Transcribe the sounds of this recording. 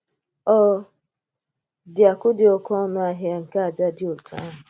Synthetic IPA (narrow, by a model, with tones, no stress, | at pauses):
ɔ˦ | dɪ˨a˨kʊ˦dɪ˨ɔ˨kɔ˦nʊ˦a˦ɦɪ˦a˦ŋ̩˨ka˦a˨d͡ʒa˦dɪ˦o˨tu˨a̰˦ɦʊ˨